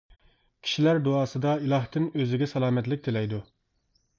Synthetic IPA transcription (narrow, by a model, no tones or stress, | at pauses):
kʲʰi̥ʃilæɾd̪oɑːsɨd̪ɑilˠɑht̪ɨnøzɪɡʲɛsɑlˠɑːmɛt̪lɪk̚ʲt̪ʰelɛjd̪u